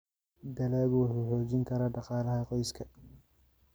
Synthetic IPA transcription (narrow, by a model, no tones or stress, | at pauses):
d̪ɐlaːβwʊħuːħɔːt͡ʃɪŋkʰɐɾaːɖɑqɑːlɐɦɐqɔjskʰɐ